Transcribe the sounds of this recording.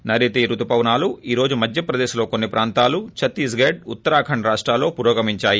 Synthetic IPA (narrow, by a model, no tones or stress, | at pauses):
nɐɾit̪iːɾut̪upɐʋnaːluiːɾo̞ːd͡ʒumɐd̪ʱjɐpɾɐd̪eːʃulo̞ːkonːipɾʔaːnt̪aːlut͡ʃʰɐt̪ːisɡeːɖ̚ut̪ːɐɾaːkʰɐɳɾaːʂʈɾaːlːo̞ːpuɾoːɡɐmiɲt͡ʃaːji